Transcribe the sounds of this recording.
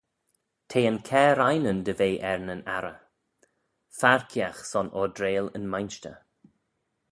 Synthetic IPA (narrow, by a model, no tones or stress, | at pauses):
t̪ʰeːənkʰɛːɾajnənd̪əveːʔɛɹnəna̰ɾə | faɹkʰiaxsɔnɔdɾeːlə̰nmajnʃtə̰